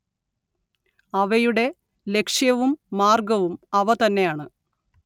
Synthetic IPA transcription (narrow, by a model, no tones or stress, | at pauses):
ɐʋɐjuɽe̞ | lekʂjɐʋumːaːrɡɐʋumɐʋɐt̪ɐnːe̞jaːɳɨ